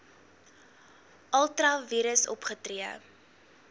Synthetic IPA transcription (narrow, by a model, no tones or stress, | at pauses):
ʔɐlˠtrɐviːɾəsɔ̰pχətriə